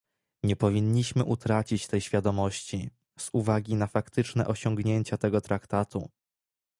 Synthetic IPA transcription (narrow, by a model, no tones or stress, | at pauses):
ɲɛpɔvʲiɲːiɕmɘʔut̪ɾat͡ɕit͡ɕt̪ɛjɕfʲjad̪ɔmɔɕt͡ɕi | z̥uvaɡʲinafakt̪ɘt͡ʂnɛ̰ʔɔɕɔŋɡɲeɲt͡ɕat̪ɛɡɔt̪ɾakt̪at̪ṵ